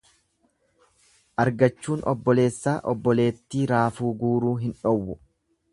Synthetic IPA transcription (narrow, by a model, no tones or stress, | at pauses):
ʔɐɾɡɐt͡ʃːuːnɔ̰bːɔle̞ːsːaːʔɔbːɔle̞ːt̪ːiːɾaːfuːɡuːɾuːɦɪnᶑɔwːʊ